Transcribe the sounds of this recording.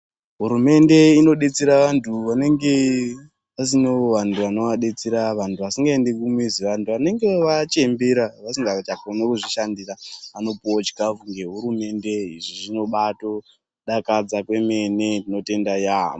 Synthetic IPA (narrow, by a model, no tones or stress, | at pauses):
ɦuɾume̞nde̞ino̞ɗe̞t͡seɾaʋantʰuʋane̞ŋɡe̞ | asino̞ʋantʰuʋano̞ʋaɗe̞t͡seɾaʋantuʋasiŋɡaende̞kumwiziʋantʰuʋane̞ŋɡe̞ʋat͡ʃe̞mbeɾaʋasiŋɡat͡ʃakonekuʐiʃandiraano̞pot͡ʃkakuŋɡe̞ɦuɾume̞nde̞iʐiʐino̞ɓato̞ | ɗakad͡zakwe̞me̞ne̞ndino̞te̞ndajamo